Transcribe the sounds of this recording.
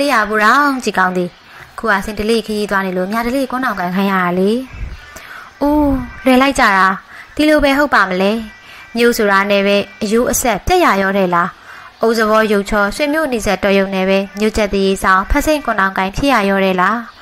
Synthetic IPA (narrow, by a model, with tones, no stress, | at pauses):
le˦˨ja˨bu˨ɾã˦t͡ɕi˨kã˦ʊ̃nd̪ði˨ | ʔəkʰṵ˦˨ʔa̰˦˨sɪ̃˨ndə˨lḛ˦˨kʰə˨ji˦t̪wa˦ne˨lo̰˦˨mja˨də˨lḛ˦˨kʊ̃˦nã˨ʊ̃kã˨ŋkʰã˨ja̰˦˨ɾa˨le˨ | ʔo˨lwɛ˨la˦ɪʔt͡ɕa̰˦˨ɾa˨d̪̥i˨lo˨bɛ˨ɦo˦ʊpːa˨məlɛ˦ | mjo̰˦˨ʔso˨ɾa˨nɛ˨βɛ˦ʔəjo˦˨ʔəsɛ˦ʔpjɛ˦ʔja˨jɔ˦˨ɾɛ˦˨la˨ʔo˨ʔzə˨βɔ˦jo˨ʊʔt͡ɕʰɔ˦swɪ̃˦˨mjo̰˦˨ni˨zɛ˦ʔtɔ˨jõ˨ʊ̃nɛ˨bɛ˦mjo˦˨t͡ɕɛ˦t̪ːi˨je˦sã˦ʊ̃pʰɛ˦ʔsẽ˦˨ŋkʊ̃˨nã˨ʊ̃ŋkã˨ɪ̃mpʰjɪ˦˨ja˨jɔ˦˨ɾɛ˦˨la˦